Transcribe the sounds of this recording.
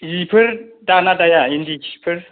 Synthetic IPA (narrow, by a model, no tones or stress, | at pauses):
jipʰɨɾdanadajajindiki̥pʰɨɾ